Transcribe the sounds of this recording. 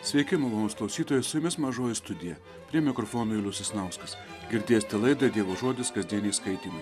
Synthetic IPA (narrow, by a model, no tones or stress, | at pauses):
sʲʋʲɛɪkʲɪmʊlˠoːnoːsklˠɐʊsʲiːt̪oːjɛsʊjɪmʲɪsmɐʒoːjɪst̪ʊd̪ʲɪjɛ | pʲɾʲiɛmʲɪkɾɔfoːnoːɪlʲʊsʲɪsnɐʊskɐs | ɡʲɪɾʲd̪ʲeːsʲt̪ʲɛlˠɐɪd̪ɐd̪ʲeːʋoːʒoɔd̪ʲɪskɐzʲd̪ʲiɛnʲɛːskɐɪt̪ʲiːmɐ